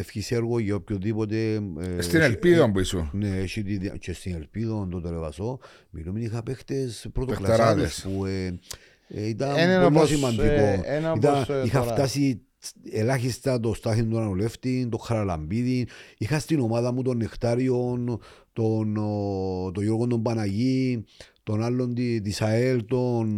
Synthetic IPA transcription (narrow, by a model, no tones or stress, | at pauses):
efçisieɾɣoʝeopçoðipo̞t̪̬esst̪inelpiðombuisuneʃit̪iðt͡ʃest̪inelpiðond̪ot̪eleva̰so̞ | miluminixapext̪espɾot̪oklaɾaðespue | it̪aolːosimɐnikoit̪aixaft̪asi | elaxist̪at̪ost̪axind̪onaoleft̪int̪okʰːaɾalambiðinixast̪inomaðamut̪onːext̪aɾjont̪on | t̪ojoɾɣond̪ombanajit̪onalːond̪it̪isaelt̪on